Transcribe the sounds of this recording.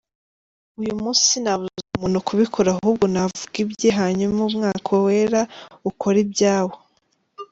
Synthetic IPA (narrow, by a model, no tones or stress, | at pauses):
ujumuːsinaβuzuzumunukʰuβikʰoɾaɦub̚ɡonavuɡibɟeɦaɲumumŋaːkʰowe̞ːɾaukʰo̞ɾibɟaːwo